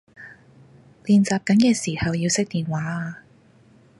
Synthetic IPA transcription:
liː˨nt͡saː˨p̚kɐ˨˥nkɛː˧siː˨˩hɐ˨wjiː˧wsɪ˥k̚t̪iː˨nwaː˨˥aː˧

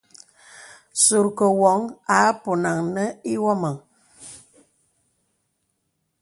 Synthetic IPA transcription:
so˨ɾkə˨wɔ˨˦ŋa˨˦po˨na˨ŋnə˦i˦wɔ˦ma˨ŋ

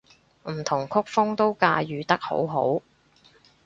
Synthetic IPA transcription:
m̩˨˩t̪ʰʊ˨˩ŋkʰʊ˥k̚fʊ˥ŋt̪o˥wkaː˧jyː˨t̪ɐ˥k̚ho̰˨˥wɦo̰˨˥w

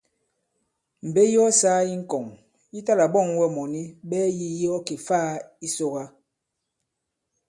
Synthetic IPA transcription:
m̩˨be˦jɔ˦saː˦i˦ŋ̩˦kɔ˨ŋ | i˦ta˦la˨bɔ˦˨ŋwɛ˦mɔ˨ni˦bɛː˦ji˦jɔ˦ke˨faː˦i˦so˦ɣa˦

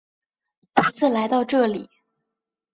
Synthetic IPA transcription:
t̪ʰu˧˥t͡sʰɹ̩˥˩la˧˥ɪt̪ɑ˥˧ʊʈ͡ʂɤ˥˩li˨˩˦

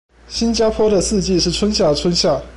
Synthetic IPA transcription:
ɕi˥nt͡ɕja˥pʰwɔ˥d̪ə˨sɹ̩˥˧t͡ɕi˥˧ʂɻ̩˥˩t͡sʰwə˥nɕja˥˩t͡sʰwə˥nɕja˥˩

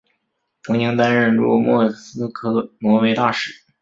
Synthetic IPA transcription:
t̪ʰɤ˧˥ŋt͡ɕi˧˥ŋt̪a˥nɻə˥˧nɻṵ˥˩mwɔ˥˩sɹ̩˥kʰɤ˥nwɔ˧˥we˧˥ɪt̪a˥˧˩ʂɻ̩˥˩˦

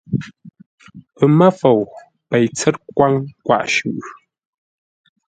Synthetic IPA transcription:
pə˨mə˦fo˨w | pɛ˨jt͡sɛ˦t̚kwa˦ŋkwa̰˦˨ʔʃʉ˨ʔ

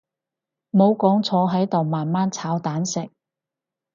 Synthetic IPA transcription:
mo˨˧wkɔː˨˥ŋt͡sʰɔː˨˧ɦɐ˨˥jt̪o˨wmaː˨nmaː˥nt͡sʰaː˨˧wt̪aː˨˥nsɪ˨k̚

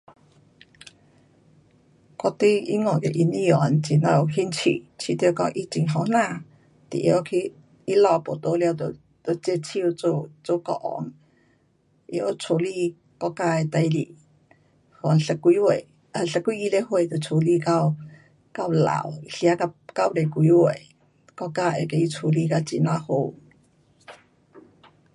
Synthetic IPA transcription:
kɔ˧t̪i˦i˧˦ŋɔ̃˨ke˨ʔi˧nĩ˧˦jɔ˨˦nt͡ɕi˨˩nã˧o˨˩ɦi˧˥nt͡ɕʰḭ˨t͡ɕʰi˧˦t̪e˧kɔ˧˥ŋʔi˧t͡ɕi˧˨ŋɦɔ˧˦n̥ã˥˧˨ | t̪ḭ˨ʔje˧˦kʰi˧ | i˦lɔ˧˨po˨˩t̪o˧˦lja˧˨t̪o˨ | t̪o˨˩t͡ɕe˧t͡ɕʰi˧u˧t͡su˧t͡su˧kɔ̰˧ʔɔ̰˧˨˦ŋ | ʔjt͡sʰu˧li˧ | kɔ˧ka˧e˧t̪a˧jli˧˨ | hɔ˨n˨ɬə˧kʷi˧we˨ | ə˧˨ɬə˧kʷi˧i˧le˦hwe˧˨t̪ə˨t͡sʰo˧li˧ka˧w | ka˧wla̰˨wi˧ɬi˧a˧˦ka˧ka˧wɾe˨kʷi˧we˨j | kɔ˧ka˧e˨ke˧i˦t͡sʰo˨˧li˧ka˧t͡ʃi˧nã˧ho˧w

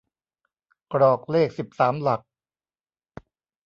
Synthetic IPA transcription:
kɾɔː˨˩k̚leː˥˩k̚si˨˩p̚saː˩˦mla˨˩k̚

